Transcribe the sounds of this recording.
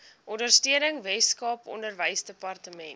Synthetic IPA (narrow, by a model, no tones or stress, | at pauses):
ʔɔndərstiənəŋvɛskɑːpɔ̰ndərvəjsdəpɐrtəmɛnt